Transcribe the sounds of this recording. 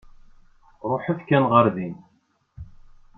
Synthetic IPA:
ɾˤoħəfkænʁəɾðin

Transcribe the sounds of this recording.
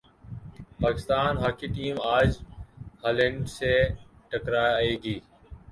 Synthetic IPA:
paːkɪst̪aːnɦaːkiːʈiːmaːd͡ʒhaːleɳɖseːʈəkɾaːjaeːɡiː

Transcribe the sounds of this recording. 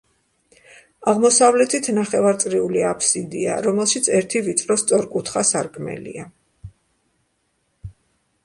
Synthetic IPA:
aʁmɔsavlɛt̪ʰit̪ʰnaχɛvaɾt̪sʼɾiuliapʰsid̪ia̰ɾɔmɛlˠʃit̪sʰɛɾt̪ʰivit̪sʼɾɔst̪sʼɔɾkʼut̪ʰχasaɾkʼmɛ̰lḭa

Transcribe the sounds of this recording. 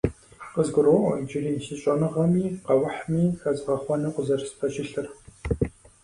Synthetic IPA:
qəzɡʷʊɾo̰ːd͡ʒɪriːɕɨɕʼɔnɨʁɐmiːqɐwʊħmiːxɐzʁɐχʷɔnɨqʷʊzɐrsɨ̥pʰɐɕɪɬɨr

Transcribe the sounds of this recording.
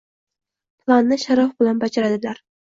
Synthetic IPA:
pʰlˠanːɪʃaɾɒfbɪlanbad͡ʒaɾad̪ɪlaɾ

